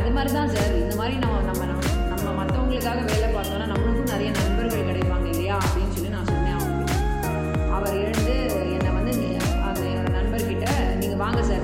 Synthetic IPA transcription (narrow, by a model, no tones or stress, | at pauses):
ɐðɯmaːd̪ɾit̪ãːsaːɾɪnd̪ɐmaːd̪ɾinɐmːɐnɐmːɐnɐmːɐ | nɐmːɐmɐt̪ːʋɐŋɡɐɭɯkːaːɣɐʋeːɭɛpaːɾt̪oŋɐnaːnɐmːɐɭɯkːɯ̃nɪɾɐjɐnɐɳbɐɾɣɐɭkɪɽɐɪpːaːŋɡɐɪlːɐjaːɐpːɐɽɪnːɯsɔlːinãːsɔnːẽaː | ɐʋɐɾɛɻɯnd̪ɯ | ɛnːɐʋɐnd̪ɯɪnɡ | ɐðɐoɽɐnɐɳbɐɾkɪʈːɐ | niːŋɡɐʋaːŋɡɐsaːɾ